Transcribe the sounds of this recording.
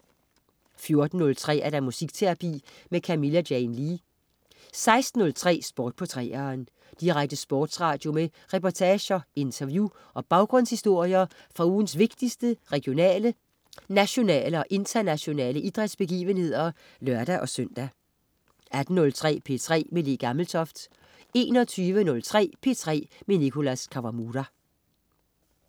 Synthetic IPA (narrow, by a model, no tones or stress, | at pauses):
fjo̝ɐd̥n̩ːɔ̽lt͡sʰʁɛ̰ːæɐd̥ɑ̈musiɡ̥t͡sʰeɐpʰḭː | mekʰæmilædjɛɪnliː | sɑ̈ɪsd̥n̩ɔ̽lt͡sʰʁɛ̰ːsb̥ɒːd̥̚pʰɒ̽t͡sʰʁɛ̰ːɐn | d̥iʁaɡ̥̚d̥əsb̥ɒ̰ːd̥sʁɑ̰̈ːd̥jo̝me | ʁɛpɒt͡sʰɛːɕɐe̝nt͡sʰɐʋju | ʔɒ̽b̥ɑ̈ʊɡ̥ʁɔ̽n̰shisd̥o̝ɐ̰jɐ | fʁɑ̈uːn̩sʋe̝ɡ̥d̥isd̥əʁɛɡ̥ijo̝nɛ̰ːlə | næɕo̝nɛ̰ːləɒ̽ʔe̝nt͡sʰɐnæɕo̝nɛ̰ːləʔid̥ʁɛd̥sb̥e̝ɡ̥ḭːʋənhe̝ð̞̰ˠɐ | lœɐd̥æʔɒ̽søn̰d̥æ | æd̥n̩nɔ̽lt͡sʰʁɛ̰ːpʰe̝̰t͡sʰʁɛ̰ːmele̝ɡ̥ɑ̈ml̩t͡sʰɒ̽fd̥ | e̝ːnɒ̽t͡sʰyːʋənɔ̽lt͡sʰʁɛ̰ːpʰe̝t͡sʰʁɛ̰ːmenikʰo̝læskʰɑ̈ʋɑ̈muːdæ